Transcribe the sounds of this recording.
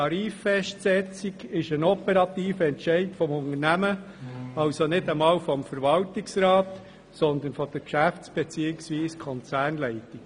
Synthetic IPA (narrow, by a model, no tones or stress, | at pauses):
ɑɾiːfːɛʃtsɛt͡siɡɪʃənɔpɛɾɑt̪iːfəɛnʃɛɪtfɔmʊŋəɾnæmə | ɑʊsonɪdəmɑːlfɔmfəɾvɑltiksrɑːt | sɔnd̪ənfɔd̥̪əɾkʃæft͡sb̥ɛt͡siːəɪksviːskʰɔnt͡sæːrnlɛɪti